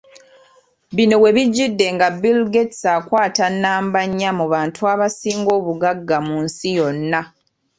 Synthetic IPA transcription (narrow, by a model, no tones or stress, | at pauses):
βino̞we̞βiɟːidːe̞ŋɡabilɡetsaːkwaːtanːaːmbaɲːamuβaːntuaβasiːŋɡo̞ːβuɡaɡːamunsijo̞nːa